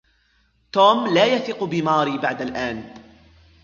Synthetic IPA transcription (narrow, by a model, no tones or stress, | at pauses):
t̪oːmlaːjaθiːqbɪmɑːɾiːbaʕd̪alʔaːn